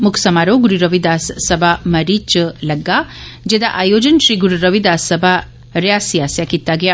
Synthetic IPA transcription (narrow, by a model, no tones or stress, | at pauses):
mukʰsɐmaːɾoːɡuɾiɾɐʋid̪aːsːɐbʱamɐɾit͡ʃlɐɡːaːd͡ʒed̪aʔaːjoːd͡ʒɐnʃɾiːɡuɾuɾɐʋid̪aːsːɐbʱa | ɾjaːsijaːsjakit̪ːaːɡɐja